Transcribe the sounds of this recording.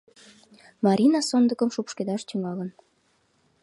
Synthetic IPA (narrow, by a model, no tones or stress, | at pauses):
mɑɾʲʔinɑsond̪ə̆kə̆mʃupʃked̪ɑʃt̪yŋɑlə̆n